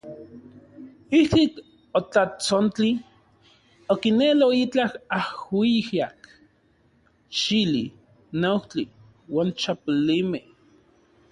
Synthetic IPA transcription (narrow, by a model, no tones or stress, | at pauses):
ihkik | ot͡ɬat͡sont͡ɬi | okineloit͡ɬahahwihjak | ʃili | noht͡ɬi | waːnt͡ʃapulimeh